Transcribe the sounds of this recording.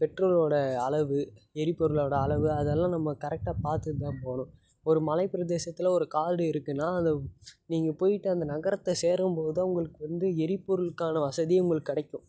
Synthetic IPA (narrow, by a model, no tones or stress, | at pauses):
pɛʈroːloːɽɐːɭɐʋɯɛɾɪpːɔɾɯloːɽɐːɭɐʋɯɐðɛlːãːnɐmːɐkɐɾɛk̚ʈaːpaːɾt̪ɯðãːnpoːɳʊ̃ | ɔɾɯmɐlɐɪpɪɾɐðeːsɐt̪ːɪlɐɔɾɯkaːlɖɯɪɾɯkːɯnːaːɐnd̪ɐniːŋɡɐpoːjɪʈːɯɐnd̪ɐnɐɣɐɾɐt̪ːɛseːɾɯmpoːðɯɐʊŋɡɐɭɯkːɯʋɐnd̪ɯɛɾɪpːɔɾɯlkːaːnɐʋɐsɐðieʊŋɡɐɭɯkːɐɽɐɪkʲːʊ̃